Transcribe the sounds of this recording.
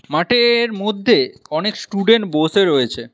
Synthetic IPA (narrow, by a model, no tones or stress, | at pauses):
maʈeɾmod̪ʱːeɔneksʈuɖeɳʈboseɾoet͡ɕʰe